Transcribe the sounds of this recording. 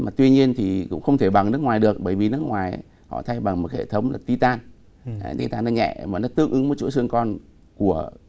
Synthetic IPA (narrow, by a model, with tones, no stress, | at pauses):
maː˨˩t̪wi˧ɲi˧ənt̪ʰi˨˩kʊ̰˧˥ŋ͡mxə˧wŋ͡mt̪ʰe˧˩ɓa˨˩ŋnɨ˦˥ək̚ŋwaː˨˩jɗɨ˨˩ək̚ɓəː˧˩jvi˨˩nɨ˦˥ək̚ŋwaː˨˩j | hɔ̰˧˨t̪ʰa˧jɓa˨˩ŋmo˨˩t̚hḛ˧˨t̪ʰə˨˦wŋ͡mlaː˨˩t̪i˧t̪aː˧n˧ | t̪i˧t̪aː˧nːɔ˧˦ɲɛ̰˧˨maː˨˩nɔ˨˦t̪ɨ˧əŋʔɨ˨˦ŋmo˨˦t͡ɕṵ˧˥sɨ˧əŋkɔ˧n | ku˧˩ə